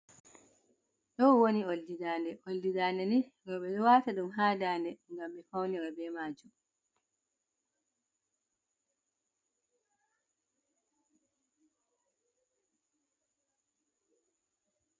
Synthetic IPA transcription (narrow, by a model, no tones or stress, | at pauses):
ɗɔwonioldidaːndɛʔoldidaːndɛniɾɔɓɛɗɔwaːtaɗumɦaːdaːndɛŋɡamɓɛfawniɾɔbɛːmaːd͡ʒum